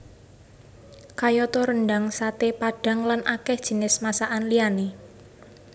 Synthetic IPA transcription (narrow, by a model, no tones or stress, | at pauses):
kajɔt̪ɔɾənɖaŋsat̪epaɖ̥a̤ŋlanʔakɛhd̥ʒ̥i̤nɪsmasaʔanliane